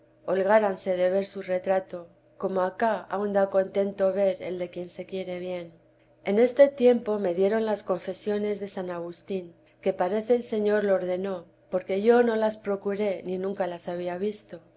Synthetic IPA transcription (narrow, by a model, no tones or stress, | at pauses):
o̞lɣaɾanse̞ðe̞β̞e̞ɾsure̞t̪ɾat̪o̞ | ko̞mo̞akaa̰wnd̪ako̞nt̪e̞nt̪o̞βe̞ɾe̞̰ld̪e̞kje̞nse̞kje̞ɾe̞βje̞n | e̞ne̞st̪e̞t̪je̞mpo̞me̞ðje̞ɾo̞nlasko̞ɱfe̞sjo̞ne̞zðe̞sanaɣ̞ust̪iŋ | ke̞paɾe̞θe̞ːlse̞ɲo̞ɾlooɾðe̞no̞ | po̞ɾke̞ʝo̞no̞laspɾo̞kuɾe̞ninũŋkalasaβ̞iaβist̪o̞